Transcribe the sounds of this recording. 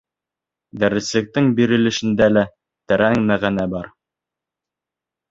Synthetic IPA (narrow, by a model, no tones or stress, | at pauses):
d̪æɾɘ̆slɘ̆k̚t̪ɘŋbiɾɘ̆lɘ̆ʃɘ̆nd̪ælæ | t̪ɘ̆ɾæŋmæʁænæbɑɾ